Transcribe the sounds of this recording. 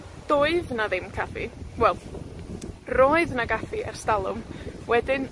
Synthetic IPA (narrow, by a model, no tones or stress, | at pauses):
d̥oːɨðnaðɪmkʰafiwɛlˠ | roːɨðnaɡaθiʔɛ̰rstalˠʊmwɛdɪn